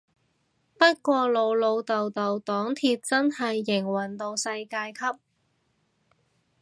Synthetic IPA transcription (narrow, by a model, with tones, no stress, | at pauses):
pɐ˥t̚kʷɔː˧lo˨˧wlo˨˧wt̪ɐ˨wt̪ɐ˨wt̪ɔː˨˥ŋt̪ʰiː˧t̚t͡sɐ˥nhɐ˨jːɪ˨˩ŋwɐ˨˩nt̪o˧wsɐ˧jkaː˧jkʰɐ˥p̚